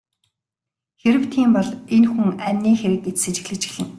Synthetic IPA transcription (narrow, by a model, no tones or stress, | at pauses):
xeɾɘ̆wt̪ʰiːmpɔɮenxuŋæmʲniːxeɾɘ̆ket͡ssĕt͡ɕɪ̥̆xɮɘ̆t͡ɕɘ̆ɮɘ̆ŋ